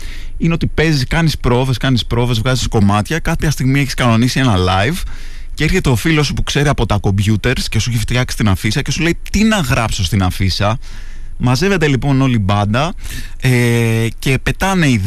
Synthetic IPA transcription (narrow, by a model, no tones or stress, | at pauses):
ine̞o̞t̪ipe̞ziskɐnispɾo̞ve̞skɐnispɾo̞ve̞zvɣɐzisko̞mɐt̪çɐkɐpçɐst̪iɣmieçiskɐno̞nisie̞nɐlɐiv | ceeɾçe̞t̪eofiloosopukse̞ɾiɐpo̞t̪ɐko̞mbʝut̪e̞ɾsce̞sueçeft̪çɐksi̥st̪inɐfisɐce̞suleit̪inɐɣɾɐpsost̪inɐfisɐ | mɐze̞ve̞t̪e̞lipo̞no̞libɐnd̪ɐ | ece̞pe̞t̪ɐne̞ið